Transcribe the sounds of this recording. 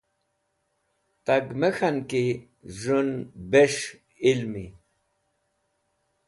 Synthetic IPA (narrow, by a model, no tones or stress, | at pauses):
t̪aɡmexanki | ʐunbeʂ | ilmi